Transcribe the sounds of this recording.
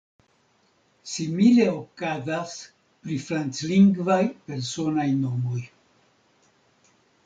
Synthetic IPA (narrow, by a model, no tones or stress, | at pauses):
simile̞okazas | pɾifɾant͡sliŋɡvajpe̞ɾso̞najno̞mo̞j